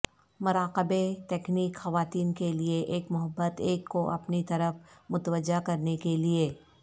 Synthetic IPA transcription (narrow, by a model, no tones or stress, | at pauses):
mʊɾaːqɪbet̪ɛːkniːkxɐʋaːt̪iːnkelieʔeːkmʊɦəbːət̪eːkːoʔɐpnit̪ɐɾəfmʊt̪ʋəd͡ʒːakɐɾnekelieː